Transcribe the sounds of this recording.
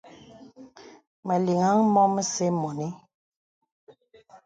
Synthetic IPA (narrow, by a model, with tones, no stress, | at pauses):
mɛ˨li˨ŋa˦ŋmɔ˦mə˦se˦mɔ˨ni˦